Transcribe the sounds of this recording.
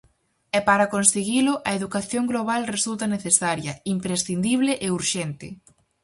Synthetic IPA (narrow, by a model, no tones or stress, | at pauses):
ɛpaɾɐkonseɣilʊʔɐeðukaθjoŋɡloβ̞alresult̪ɐneθesaɾjɐimpɾesθind̪iβlɪʔeuɾʃɛnt̪ɪ̰